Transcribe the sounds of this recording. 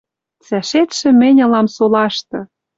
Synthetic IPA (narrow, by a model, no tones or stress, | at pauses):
t͡sæʃet̪ʃɘ̆mɘ̆nʲɤ̆lɑmsolɑʃt̪ɤ̆